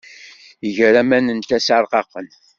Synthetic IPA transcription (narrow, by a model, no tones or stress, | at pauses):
iʝɾæmænənt̪æsaɾˤqɑqːən